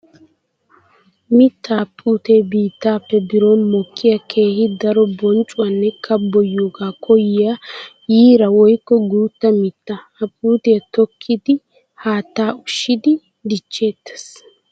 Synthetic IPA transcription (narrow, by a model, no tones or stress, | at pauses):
mɪt̪ːaːpʼːuːt̪e̞ːbiːt̪ːaːpːɛbɪɾoːnmɔkʰːɪjɐkʰe̞ːhɪd̪ɐɾɔbɔnt͡ʃʼʊwanːɛkʰɐbːɔjːuːɡaːkʰɔjɪja | jiːɾɐwɔjkːɔɡuːt̪ːɐmɪt̪ːɐ | ɐpʼːuːt̪e̞ːt̪ɔkʰːɪd̪ɪ | haːt̪ːaːʊʃːɪd̪ɪ | d̪ɪt͡ʃːe̞ːt̪ːɛ̥s